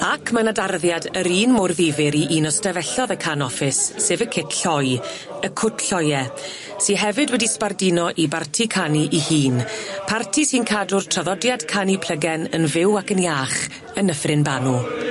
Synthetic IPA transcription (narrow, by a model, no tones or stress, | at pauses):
akʰmənadarðjadəɾiːnmʊrðɪvɪɾiʔiːnɔstɛvɛɬɔðəkʰanɔfɪsːeːvəkʰɪtɬɔj | əkʰʊtʰɬɔjɛ | siɦɛvɨdwɛdispardɪnɔʔibartʰikʰaniʔihiːnpʰartʰisinkʰadʊrtʰraðɔdjad̥kʰanipʰl̥əɡɛnənvɪwakənjaːχ | ənəfrɪnbanu